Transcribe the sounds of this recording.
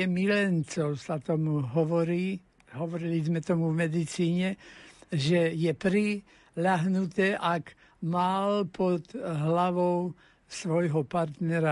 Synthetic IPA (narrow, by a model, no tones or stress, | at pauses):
ɛmilɛnt͡sɔʊsat̪ɔmuɦɔʋɔɾiː | ɦɔʋɔɾilizmɛt̪ɔmuvmɛd̪it͡siːɲɛ | ʒɛjɛpɾi | ʎaɦnut̪ɛːʔak | malpʰɔd̪ɦlaʋɔʊ | sʋɔjɦɔpaɾt̪nɛɾa